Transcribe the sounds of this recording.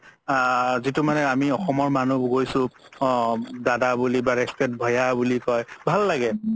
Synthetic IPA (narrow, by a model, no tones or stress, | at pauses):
zitʊmanɛamiɔxɔmɔɹmanuɡoɹjsʊ̃ | dadabulibaɹɛspɛt̚bʱɔjabulikɔjbʱalːaɡɛ